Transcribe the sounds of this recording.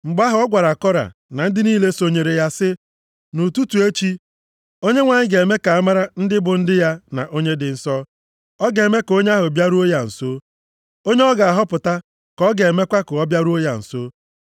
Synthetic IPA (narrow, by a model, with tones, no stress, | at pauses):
ŋ͡m̩˨ɡ͡ba˦ɦʊ˨ɔ˦ɡʷa˨ɾa˨kɔ˦ɾa̰˨na˨n̩˦dɪ˦niː˦le˦so˨ɲe˨ɾe˨ja˦sɪ˦ | nu˨tu˦tu˨e˦t͡ʃi˦ | o˦ɲe˦ŋʷa˨ɲɪ˦ɡe˨me˦ka˨a˦ma˦ɾa˦n̩˦dɪ˦bʊ˨n̩˦dɪ˦ja˦na̰˨ʔo˦ɲe˦dɪ˨n̩˦˨sɔ˦ | ɔ˦ɡe˨me˦ko˦ɲe˦a˦ɦʊ˨bja˦ɾu˦o˦ja˨n̩˨so˦ | o˦ɲe˦ɔ˦ɡa˨a˨ɦɔ˦pʊ˨ta˦ | kɔ˦ɡe˨e˨me˦kʷa˦kʊ˨ɔ˦bja˦ɾu˦o˦ja˨n̩˨so˦